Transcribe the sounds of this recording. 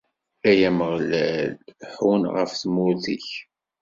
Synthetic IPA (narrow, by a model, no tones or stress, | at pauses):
æjæməʁlælħunʁə̰fθmʊθḭç